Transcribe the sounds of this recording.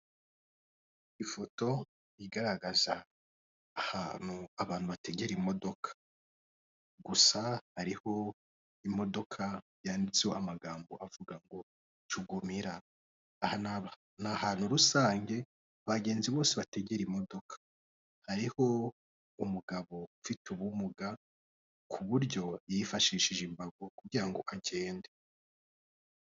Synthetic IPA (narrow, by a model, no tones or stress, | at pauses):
ifo̞to̞ | iɡaɾaɡazaː | hanhuaβaːn̥huβate̞ɟeɾimo̞do̞kʰḁ | ɡusahaɾiho̞ | imo̞do̞kʰa | jaːndit͡sehoʔamaɡaːmbo̞ʔavuɡaŋɡo̞ | t͡ʃuɡumiɾaː | ha | nahaːnhuɾusaːŋɡe̞ | βaɡe̞ːnziβo̞ːseβate̞ɡeɾimo̞do̞kʰḁ | haɾiho̞ | umuɡaβo̞fituβumuɡa | kʰuβuɾɟo̞jifaʃiːʃiʒimbaɡo̞kuɡiɾaŋɡo̞ʔaɟe̞ːnde